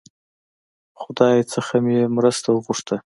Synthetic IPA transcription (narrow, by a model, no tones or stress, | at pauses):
χʊd̪ɑjt͡sɨχamjemɾəst̪aʁʊʂt̪ʰa